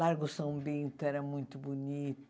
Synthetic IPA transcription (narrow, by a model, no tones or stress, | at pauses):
aɾɣusɐ̃w̃bĩnt̪uɛɾɐmũj̃t̪ubunit̪